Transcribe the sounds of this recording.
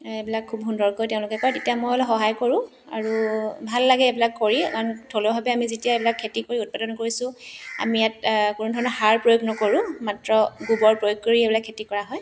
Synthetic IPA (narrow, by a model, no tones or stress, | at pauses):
ebilakʰːubɦundɔɹkojteʊ̃lʊkɛkɔɛtetijamojɔlɛxɔɦajkoɹʊ̃ | a̰ɹubʱalːaɡɛebilakːoɹiantʰolɔbʱabɛamizetijaebilakʰːetikoɹiut̚padɔnkoɹisʊ̃a̰mijat̚kunudʱɔɹɔnɔɦaɹpɹojoɡnɔkoɹʊ̃matɹɔɡubɔɹpɹojoɡ̚koɹiebilakʰːetikɔɹaɦɔj